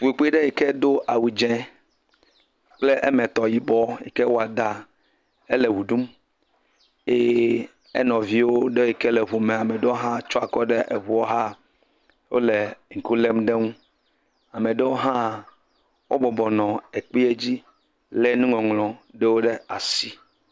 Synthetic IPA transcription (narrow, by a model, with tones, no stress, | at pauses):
fu˨e˨k͡pe˦ɖe˦jɛ˨ke˦d̪o˦ʔa˨wu˨d͡ʒɛ̃˨˦ | k͡ple˦ʔɛ˦mɛ̃˨t̪ɔ˨ji˨bɔ˦jḭ˨ke˦wo˦a˨d̪a˨ | e˦le˨wu˨ɖu˦m | e˦ | ɛ̰˦nɔ̃˨vi˦wo˦ɖe˦o˦ɛ˨ke˦lɛ˨βu˨mẽ˨a˨me˨ɖe˦wo˦ɦã˦t͡ʃɔ˦a˨kɔ˦ɖe˦ʔḛ˨βu˨ɔ˦ɦa˦ | wo̰˦le˨ŋ̩˨ku˦le˦mɖe˦ŋũ˦ | a˨mẽ˨ɖe˦wo˦ɦã˦ | wʔo˦bɔ˨bɔ˨nɔ̃˨e˨k͡pi˦e˦d͡ʑi˦ | le˦nũ˦ŋɔ̃˨ŋlɔ̃˨ɖe˦wo˦ɖe˦a˨si˦